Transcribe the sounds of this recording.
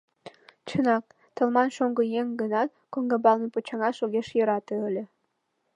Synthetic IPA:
t͡ɕʰɤ̆nɑk̚ | t̪ɤ̆lˠmɑnʃoŋɡɤ̆jeŋɡɤ̆nɑt̪ | koŋɡɤ̆bɑlˠnɤpot͡ɕɑŋɑʃoɣʲeʃjɤ̆ɾɑt̪ɤ̆ɤ̆lʲĕ

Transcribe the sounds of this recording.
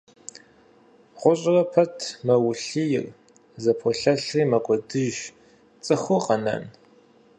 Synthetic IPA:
ʁʷʊɕʼɪrɐpʰɐtʰmɐwʊɬijɪ̰r | zɐpʰɔɬɐɬriːmɐkʷʼɔdɨʒ | t͡sʼɨχʷʊqɐnɐ̰n

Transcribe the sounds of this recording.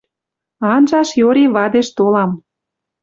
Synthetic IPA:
ɑnʒɑʃjoɾiβɑd̪eʃt̪olɑm

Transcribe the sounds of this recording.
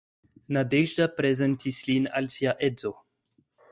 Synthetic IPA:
nadeʒdapɾezentislina̰lsiaʔezo

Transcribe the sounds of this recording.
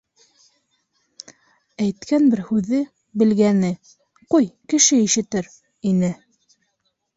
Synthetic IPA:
æjt̪kænbɘɾhʉðɘ | bɘ̆lɡænɘ | qujkɘ̆ʃɘiʃɘ̆t̪ɘɾ | inɘ

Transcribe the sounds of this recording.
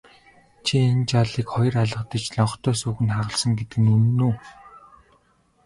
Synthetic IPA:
t͡ɕʰient͡ɕaɮiːkχɔj̆raɮə̆qt̪ə̆t͡ɕɮɔɴχ̆t̪ʰœːsuːɣɘ̆nχaʁə̆ɮsɞ̆ŋɡet̪ɘ̆kɘ̆nɵnːuː

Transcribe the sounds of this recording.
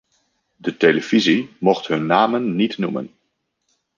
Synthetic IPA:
dətejləvizimɔχtɦɵnːaːmənːitnumə̰n

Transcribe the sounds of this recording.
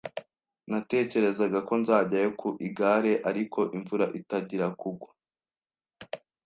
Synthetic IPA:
nate̞ːce̞ɾe̞zaɡako̞nzaːɟajokʰuʔiɡaːɾe̞ʔaɾiko̞ʔiɱvuɾaʔitaɟiɾakuɡwa

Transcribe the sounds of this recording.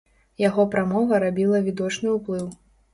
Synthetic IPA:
jaɣɔpɾamɔvɐɾabʲilˠɐvʲid̪ɔt͡ʂnɨuplˠɨw

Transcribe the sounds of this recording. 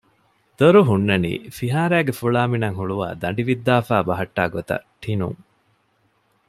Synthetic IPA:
d̪oɾuɦunːɐnḭːfiɦaːɾæːɡefuɭaːminɐŋɦuɭuʋa̰ːd̪ɐɳɖiʋid̪ːaːfaːbɐɦɐʈːaːɡot̪ɐ̰ʈʰinṵŋ

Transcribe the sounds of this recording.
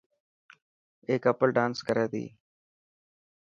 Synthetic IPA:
eːkəpəlɖãːnskəɾeːd̪ḭː

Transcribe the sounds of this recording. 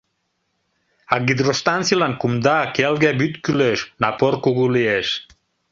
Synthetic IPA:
aɡid̪ɾost̪ant͡silankumd̪akelɡɛbyt̪kyløʃnapoɾkuɣulieʃ

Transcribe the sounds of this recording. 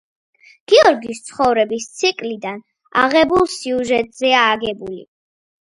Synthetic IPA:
ɡ̥iɔɾɡiːst̪sʰχɔvɾɛbist̪sʰikʼlid̪an | a̰ʁɛbulˠsiuʒɛt̪ʼz̥ɛaːɡɛbulḭ

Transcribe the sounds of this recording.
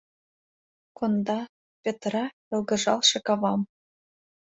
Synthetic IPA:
kond̪ɑ | pʲet̪rɑ | ɤ̆lˠɡɤ̆ʐɑ̰lˠʃɤ̆kɑβɑm

